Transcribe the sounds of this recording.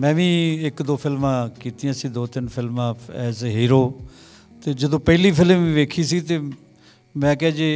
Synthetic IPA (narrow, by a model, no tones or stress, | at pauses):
mɛ̃ːʋĩːɪkd̪oːpʰɪlmãːkiːt̪ijãːsiːd̪oːt̪ɪnpʰɪlmãːɛːzɦiːɾoː | t̪eːd͡ʒəd̪õːpəɦliːpʰɪlmʋĩːʋeːkʰiːsiːt̪eː | mɛ̃ːkɛãːd͡ʒeː